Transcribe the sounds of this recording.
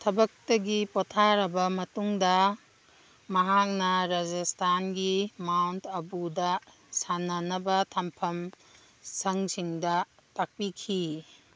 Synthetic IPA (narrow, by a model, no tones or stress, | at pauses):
tʰɐbɐk̚tɐɡipotʰaɾɐbɐmɐtuŋdɐ | mɐɦak̚nɐɾad͡ʒastʰanɡimawntʰɐbudɐ | sanɐnɐbɐtʰɐmpʰɐm | sɐŋsiŋdɐ | tak̚pikʰi